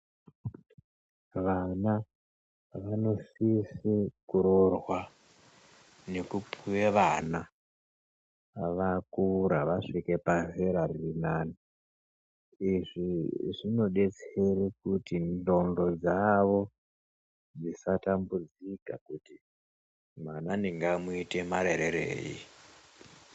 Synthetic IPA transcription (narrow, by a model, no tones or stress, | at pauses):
ʋana | ʋano̞sisikuɾorwa | ne̞kupʰuweʋana | ʋakuɾaʋaʂike̞paveɾarinaːni | iʐiʐino̞ɗe̞t͡serikutindo̞ndo̞d͡zaʋo̞ | d͡zisatambud͡zika̰kuti | mananiŋɡamuite̞maɾeɾeɾḛːjḭ